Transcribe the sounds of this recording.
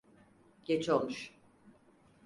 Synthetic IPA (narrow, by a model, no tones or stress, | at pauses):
ɟ̥et͡ʃʰolˠmuʃ